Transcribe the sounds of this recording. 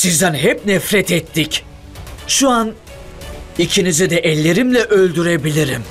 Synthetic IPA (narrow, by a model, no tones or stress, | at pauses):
sizd̪ænɦɛp̚nɛfɾɛt̪ʰɛt̪ʰːic | ʃuan | icʰinizid̪ɛʔɛlʲːe̞ɾimlʲɛʔølʲd̪yɾebilʲiɾim